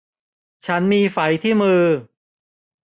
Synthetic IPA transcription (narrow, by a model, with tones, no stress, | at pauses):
t͡ɕʰa˦˥nmiː˧fa˩˦jt̪ʰiː˥˩mɯː˧